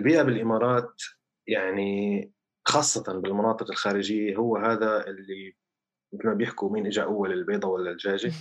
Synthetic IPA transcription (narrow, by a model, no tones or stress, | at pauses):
lbiːʔabɪlʔɪmɑːɾˤɑːt̪ | jaʕni | xɑːsˤːɑt̪ɑnbɪlmʊnɑːt̪ˤɨqɪlxaːɾɪd͡ʒɪjːaɦʊwːɦaːðaʔɪlːi | mɪt̪lmabjɪħkumiːnʔɪd͡ʒʕaʔawːalɪlbeːd̪ˤɑwalːald͡ʒaːʒɪ